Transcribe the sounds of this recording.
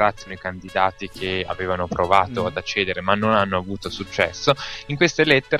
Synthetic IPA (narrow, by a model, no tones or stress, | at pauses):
ɾat̪ːonoikand̪id̪aːt̪ikʰea̰veːvanopɾovaːt̪oad̪at͡ʃːeːd̪eɾemanːonanːoavuːt̪osut͡ʃːɛ̰sːoiŋkwest̪elet̪ːeɾ